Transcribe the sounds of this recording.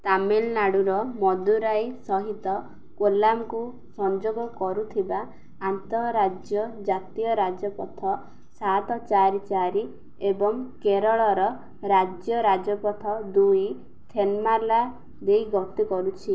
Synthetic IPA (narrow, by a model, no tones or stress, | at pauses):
t̪amelnaɽuɾɔmɔd̪uɾajsɔɦit̪ɔ | kolamku | sɔnd͡ʒoɡɔkɔɾut̪ʰibaː | nt̪ɔɾad͡ʒjɔd͡ʒat̪ijɔɾad͡ʒɔpɔt̪ʰɔ | sat̪ɔt͡ʃaɾit͡ʃaɾi | ebɔŋkeɾɔɭɔɾɔ | ɾad͡ʒjɔɾad͡ʒɔpɔt̪ʰɔd̪uj | t̪ʰenmala | d̪ejɡɔt̪ikɔɾut͡ʃʰi